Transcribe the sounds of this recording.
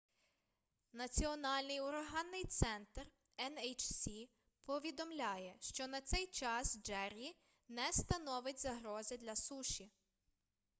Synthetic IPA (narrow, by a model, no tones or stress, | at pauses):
nɐt͡sʲiɔnɑlʲnɪjʊɾɐɦɑnːɪjt̪sɛnt̪r | ɛnɛjt͡ʃsʲi | pɔʋʲid̪ɔmlʲɑjɛʃt͡ʃɔnɐt̪sɛjt͡ʃɑsd͡ʒɛɾʲi | nɛst̪ɐnɔʋɪtʲzɐɦɾɔzɪd̪lʲɐsuʃʲi